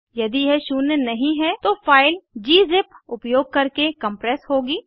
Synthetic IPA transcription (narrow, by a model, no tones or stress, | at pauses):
jɐd̪iɦɛʃʊːnːənɐɦĩɦɛt̪ofaːɪld͡ʒiːzɪpʊpjoːɡ̚kɐɾkekɐ̃mpɾɛːsɦoːɡiː